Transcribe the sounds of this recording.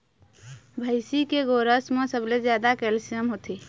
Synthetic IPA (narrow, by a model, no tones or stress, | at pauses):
bʱəɪsikeɡoɾəsmẽsəbled͡ʒjad̪akɛlsiəmɦot̪i